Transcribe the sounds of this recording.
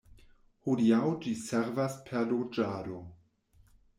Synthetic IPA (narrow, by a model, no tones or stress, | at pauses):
hudiawd͡ʒiseɾvaspʰeɾlod͡ʒaːdo